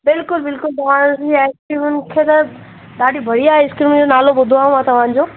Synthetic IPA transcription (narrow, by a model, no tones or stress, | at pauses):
bɪlkʊlbɪlkʊlt̪ɐʋ̤ãsiaːɪskɾimʊn̆kʰeːt̪ɐ | ɗ̪aːɖʱibʱɐɽ̤iaːɦeɪskɾimnd͡ʑonaːlobʊd̪ʱoaːɦũmãt̪ɐʋ̤ãːɲ̆d͡ʑoː